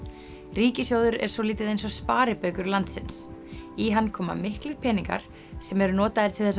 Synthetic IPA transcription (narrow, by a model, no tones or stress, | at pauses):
riːcɪsjoːwðʏɾɛ̰ɾ̥sɔliːt̪ɪðejns̬ɔspaːɾɪpœɥkʏɾlant̪sɪ̰nsiɦanːkʰɔːma̰mɪhklʏɾ̥pʰɛːniŋka̰ɾ̥ | sɛmɛɾʏnɔːt̪aðɪɾ̥t̪ʰɪlθɛs̬ː